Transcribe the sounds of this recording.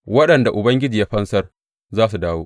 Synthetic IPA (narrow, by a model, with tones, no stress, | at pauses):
wɐ˦ɗɐ˨nda˨ʔʊ˨bɐ˦ŋɡʲɪ˦d͡ʒiː˨ja˦ɸɐ˦nsɐ˦r | zaː˦s̬u˨daː˦woː˦ʔ